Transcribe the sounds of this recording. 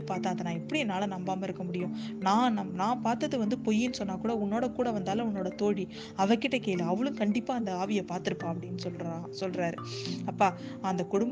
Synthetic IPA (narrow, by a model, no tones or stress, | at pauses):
paːɾt̪aːɐðɐnãːɛpːɐɽiɛnːaːlɐnɐmbaːmɐɪɾɯkːɐmʊɽɪjʊ̃nãːnɐmnãːpaːɾt̪ɐðɯʋɐnd̪ɯpɔjːɪnːɯsɔnːaːkuːɽɐʊnːoːɽɐkuːɽɐʋɐnd̪aːlɐ̃ʊnːoːɽɐt̪oːɽi | ɐʋɐkːɪʈːɐkeːlɐɐʋɐɭɯ̃mkɐɳɖɪpːaːɐnd̪ɐaːʋɪjɐpaːɾt̪ɪɾɯpːãːɐpːɐɽɪnːɯsɔlɾaːsɔlɾaːɾɯɐpːaː | ɐnd̪ɐkʊɽʊmb